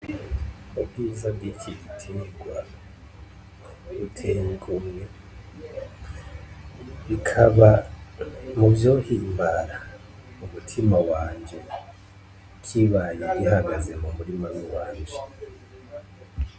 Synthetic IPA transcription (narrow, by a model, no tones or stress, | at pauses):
ubɡiːzab̚ɡicʰiitʰiniɡwa | βutʰeŋɡumje | βikʰaβa | muvjo̞ːhiːmbaɾa | umutʰimawaːɲd͡ʒe | kʰiβajeɡihaɡaze̞mumuɾimaniwaːɲd͡ʒe